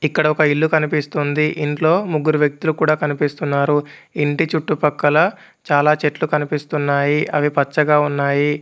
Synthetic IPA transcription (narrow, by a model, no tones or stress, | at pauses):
ikːɐɽɐɔkɐilːukɐnipist̪und̪iʔiɳʈlo̞ːmuɡːuɾuʋjɐk̚t̪ulukuːɽaːkɐnipist̪unːaːɾuiɳʈit͡ʃuʈːupɐkːɐlɐ | t͡ʃaːlaːt͡ʃeʈlukɐnipist̪unːaːjiʔɐʋipɐt͡ʃːɐɡaːunːaːji